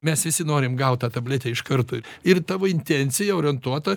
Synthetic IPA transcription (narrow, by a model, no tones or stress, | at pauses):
mʲɛsʋʲɪsʲɪnoːɾʲɪmɡɐʊt̪t̪ɑːt̪ɐbʲlʲeːt̪ʲɛɪʃkɐrt̪oːɪrt̪ɑːʋoːɪnʲt̪ʲenʲsʲɪjɛoːɾʲɛnt̪uɔt̪ɐ